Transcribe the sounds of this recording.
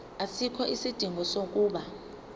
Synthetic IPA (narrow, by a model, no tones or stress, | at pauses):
asikʰɔʔisid̥ʱiŋɡʱɔsok̬ʼuːɓa